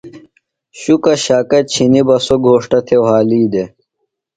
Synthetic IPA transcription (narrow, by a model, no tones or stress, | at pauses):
ɕukɐɕaːkɐt̪̚t͡ɕʰinibɐsoɡʱoːʂʈɐt̪ʰewɦaːliːd̪e